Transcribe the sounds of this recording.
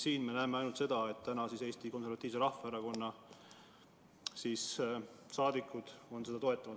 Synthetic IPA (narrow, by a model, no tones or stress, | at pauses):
siːnme̞næemeɑjnult̪se̞d̪̥ɑe̞t̪t̪ænɑsise̞ːst̪iko̞nsevɑt̪ːˑiːvseɾɑhfɑeɾɑko̞nːɑ | siːssɑːd̪ikːˑud̪̥o̞nse̞d̪ɑt̪o̞e̞t̪ːˑɑmud̪